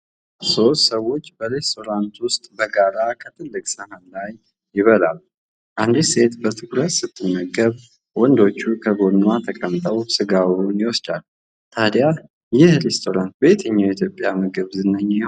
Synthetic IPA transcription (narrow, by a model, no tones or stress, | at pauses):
so̞t̪səwːo̞t͡ʃːbəɾe̞st̪ʰo̞ɾant̪wʊst̪ʼbəɡaɾakʰət̪ʰɨlːɨkʼsəhanlajː | ɪβəlal | ʔand̪ise̞t̪bət̪ʰɨɡɾət̪sɨt̪ʼːɨnːəɡəβ | wɔnd̪o̞t͡ʃːukʰəɡo̞nwat̪ʰəkʼəmt̪ʼəwsɨɡawuniwɔst͡ʃʼal | t̪ʰad̪ja | jɪhɾest̪ʰo̞ɾant̪̚bəjet̪ʰəɲːawit̪ʰjo̞pʼjamɨɡɨβzɨnːəɲː